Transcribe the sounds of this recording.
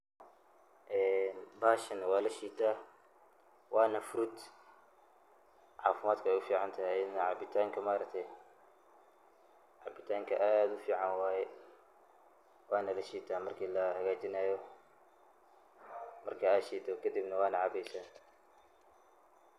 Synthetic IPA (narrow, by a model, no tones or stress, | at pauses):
ʔɛːnbaːʃɐnɐwɑːlɐʃiːt̪ʰaː | wɑːnɐfʊɾʊd̪ | ʕɑːfɪmaːd̪kʰɐɛjʊfiːʕɑnt̪ʰɐhɛɪnʕɑbɪt̪ʰaːŋkʰɐmaːɾɐk̚t̪ʰɛ | ʕɑbɪt̪ʰaːŋkʰɐʔaːd̪ʊfiːʕɑnwaːjɛ | wɑːnɐlɐʃiːt̪ʰaːmɐrkʰiːlɐhɐɣaːt͡ʃɪnaːjɔ | mɐrkʰɐaːʃiːd̪ʰɔkʰɐd̪ibnɐwɑːnɐʕɑbɛjsaː